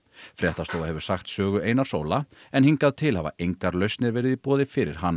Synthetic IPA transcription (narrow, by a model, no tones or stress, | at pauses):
fɾɛht̪ast̪oːwðahɦɛvʏ̥ɾ̥saxt̪sœːɣʏeːjnḁso̰ːwlaɛnhiŋkaðt̪ʰɪlhava̰ʔejŋkaɾlœɥst̪nɪɾvɛːɾɪðipɔːðɪfɪɾɪ̰ɾ̥ɦanː